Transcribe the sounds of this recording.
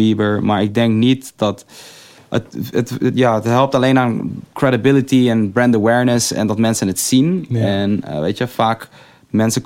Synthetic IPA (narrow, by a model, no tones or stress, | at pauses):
ibəɹmaːɹɪk̚dɛŋknitdɔt | ə̰tətətjaːətɦɛlˠp̚taleːnaːnkrɛdibɪlitiɛnbɹɛndəwɛɹnəsɛ̰ndɔtmɛnsənətsinɛnə̰ʋḛːtjəfaːk | mɛnsə